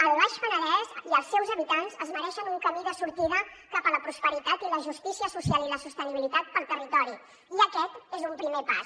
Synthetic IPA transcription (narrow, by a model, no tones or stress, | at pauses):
əlˠβaʃfənəɾɛziəlˠsːɛwzəβit̪anzəzməɾɛʃənuŋkəmiðəsuɾt̪iðəkapələpɾuspəɾit̪at̪iləʒust̪isiəsusialiləsust̪əniβilit̪at̪̚pəlˠt̪ərit̪ɔɾi | iəkɛt̪ezumpɾimepa̰s